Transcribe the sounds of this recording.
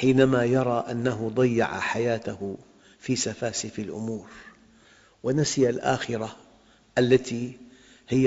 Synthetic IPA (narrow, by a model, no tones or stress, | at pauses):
ħiːnamajɑɾˤɑʔanːaɦʊd̪ˤɑjːɑ̰ʕa̰ħajaːt̪ahʊ | fiːsafaːsɪfɪlʔʊ̰muːɾ | wanasɪjalʔa̰ːxɪɾa | ʔalːat̪ʰi | hɪj